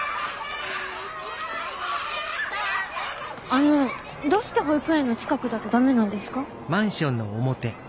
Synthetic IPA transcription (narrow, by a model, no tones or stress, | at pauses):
ano̞ | d̪o̞ːɕi̥t̪eɦoipɯ̟ẽnːo̞t͡ɕi̥kakɯ̟d̪at̪o̞d̪ame̞nãnd̪e̞sɨ̥ka | mãɰ̃ɕõ̞nːoːmo̞t̪e̞